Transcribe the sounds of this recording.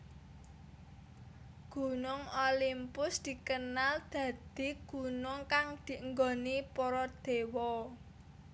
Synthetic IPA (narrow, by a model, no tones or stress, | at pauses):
ɡ̥ṳnʊŋolimpʊsd̪̥i̤kənald̪̥ä̤d̪̥i̤ɡ̥ṳnʊŋkaŋd̪̥i̤əŋɡɔnipɔɾɔd̪̥e̤wɔ